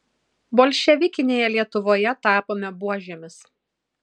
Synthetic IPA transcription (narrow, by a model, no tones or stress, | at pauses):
boːlʲʃʲɛʋʲɪkʲɪnʲeːjɛlʲiɛt̪ʊʋoːjɛt̪ɑːpoːmʲɛbuɔʒʲemʲɪs